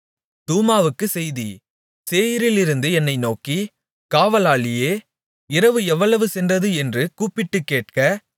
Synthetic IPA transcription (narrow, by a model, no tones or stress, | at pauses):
t̪uːmaːʋɯkːɯsɛjði | seːjɪɾɪlɪɾɯnd̪ɯɛnːɐɪnoːki | kaːʋɐlaːɭɪjeː | ɪɾɐʋɯɛʋːɐɭɐʋɯsɛndrɐðɯɛndrɯkuːpːɪʈːɯkːeːʈ̚kɐ